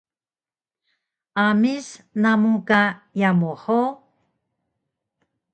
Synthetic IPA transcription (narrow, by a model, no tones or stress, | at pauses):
ʔamisnamukajamuħo